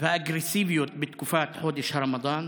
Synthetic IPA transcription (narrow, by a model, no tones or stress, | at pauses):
faʔaɡɾɪsiːbijot̪̚bɪt̪kufaːt̪ħoːd̪ɪʃhɾˤɑmɑd̪ˤɑːn